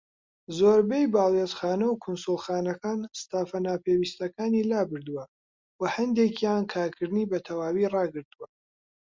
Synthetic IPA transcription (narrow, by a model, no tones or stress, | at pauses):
zoːɾbejbɑːlˠezxaːnɐwkʰʊnsulˠxɑːnɐkaːnst̪aːfɐnaːpʰewist̪ɐkaːniːlaːbɨɾd̪uwɐ | wɐhɐnd̪ekʰjaːnkʰaːɾkʰɨɾd̪ɨniːbɐt̪ʰɐwaːwirɑːɡɨɾd̪uwɐ